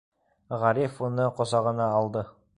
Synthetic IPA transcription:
ʁæɾifunɤqŏsɑʁɤ̆nɑːlˠd̪ɤ

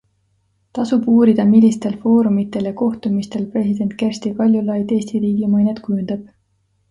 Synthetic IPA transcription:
t̪ɑsubuːɾid̪̥ɑmilʲːist̪e̞lfo̞ːɾumit̪ːˑe̞ljɑko̞ht̪umist̪e̞lpre̞sid̪̥e̞nt̪̚ˑkerst̪ikɑlʲjulɑjd̪e̞ːst̪iɾiːɡimɤjnet̪kujund̪̥ɑb̥̚

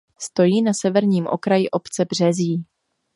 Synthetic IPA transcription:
st̪o̞jiːnasɛvɛɾɲiːmʔo̞̰kɾajɪʔo̞pt͡sɛbr̝̥ɛzjiː

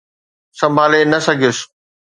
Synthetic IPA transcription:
sɐ̃mbʱaːlenɐsɐɡʱijʊs

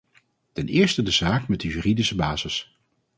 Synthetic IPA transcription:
tɛnɪːɹstədəz̥aːkmɛd̚əjyridisəbaːz̥ɪs

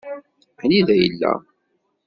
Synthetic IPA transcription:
hniðæjə̰lːæ̰

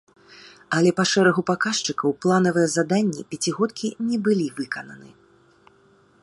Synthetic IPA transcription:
ɐlʲɛpɐʂɛɾɐɣupakaʂt͡ʂɨkɐwplˠanɐvɨjɛzad̪anʲːɛpʲat͡sʲiɣɔt̪kʲinʲɛbɨlʲivɨkɐnɐnɨ̰

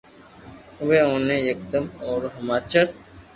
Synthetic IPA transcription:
weõnẽjək̚d̪əmɔːɾɦəmaːt͡ʃəɾ

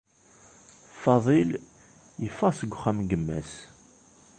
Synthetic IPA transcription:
fɑðˤil | jəfːɑsəɡʷχæmɡəmːæ̰s

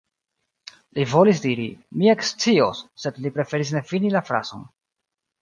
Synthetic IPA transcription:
livo̞lis̬diɾḭmie̞kst͡sio̞̰sːe̞dlipɾe̞fe̞ɾis̬ne̞finilafɾa̰z̥o̞̰n

